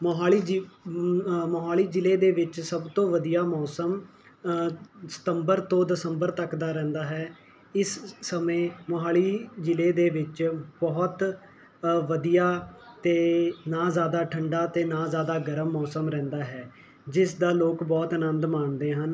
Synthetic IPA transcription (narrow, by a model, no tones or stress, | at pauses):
mɦaːliːd͡ʒ | moɦaːliːd͡ʒɪleːd̪eːʋɪt͡ʃsəbt̪õːʋəd̪ijaːmɔːsəm | sə̥t̪əmbəɾt̪õːd̪əsəmbəɾt̪əkd̪aːɾɛ̃ːnd̪aːɦɛː | ɪsːəmẽːmoɦaːliːd͡ʒɪleːd̪eːʋɪt͡ʃbɔːt̪ | ʋəd̪ijaːt̪eːnaːzjaːd̪aːʈʰəɳɖaːt̪eːnãːzjaːd̪aːɡəɾəmːɔːsəmɾɛ̃ːnd̪aːɦɛː | d͡ʒɪsd̪aːloːkbɔːt̪ənənd̪maːnd̪eːɦən